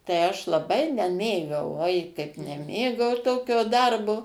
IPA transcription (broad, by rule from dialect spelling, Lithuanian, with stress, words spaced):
tɐɪ ˈɐʃ lˠɐˈbɐɪ nʲɛˈmʲeːɡɐʊ ˈoːɪ kɐɪp nʲɛˈmʲeːɡɐʊ ˈtoːkʲoː ˈdɐrboː